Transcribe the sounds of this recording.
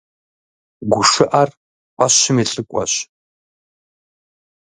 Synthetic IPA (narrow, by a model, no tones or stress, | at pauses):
ɡʷʊʂɨʔar | qʷaɕɪmiːɬʼɨkʷʼɔ̰ɕ